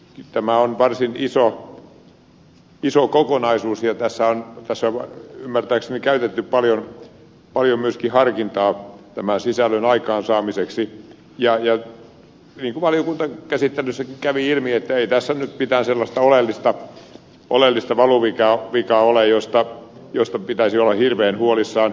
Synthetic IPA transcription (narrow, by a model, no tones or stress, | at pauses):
t̪æmæonʋɑrsiniso | isokokonɑisuːsjɑt̪æsːæont̪æsːæymːært̪æːksenikæyt̪et̪ːyppɑljon | pɑljomyøskihɑrkint̪ɑːt̪æmænsisælːønɑikɑːnsɑːmiseksi | jɑjɑ | niːŋkuʋɑljokunt̪ɑkæsit̪ːeløsːækikæʋiilmiet̪ːæeit̪æsːænyt̪pit̪æːnselːɑst̪ɑolelːist̪ɑ | ʔo̰lelːist̪ɑʋɑluʋikɑʋikɑolejost̪ɑ | jost̪ɑpit̪æisiolːɑhirʋeːnhuolisːɑːn